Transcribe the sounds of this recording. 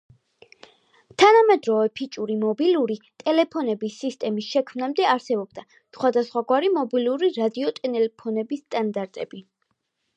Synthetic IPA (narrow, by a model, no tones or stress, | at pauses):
t̪ʰanamɛd̪ɾɔvɛpʰit͡ʃʼuɾimɔbiluɾit̪ʼɛlɛpʰɔnɛbisːist̪ʼɛmisʃɛkʰmnamd̪ɛaɾsɛbɔb̚d̪a | sχwad̪asχwaɡwaɾimɔbiluɾiɾad̪iɔt̪ʼɛnɛlɛpʰɔnɛbist̪ʼand̪aɾt̪ʼɛb̥i